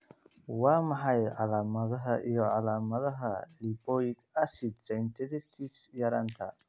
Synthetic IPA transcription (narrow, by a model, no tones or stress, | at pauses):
wamaɦaja̰lamad̪aɦaʔijoalamaðaɦalipoikasit̪̚t͡sajnt̪ed̪et̪ʰisjaɾant̪ʰa̰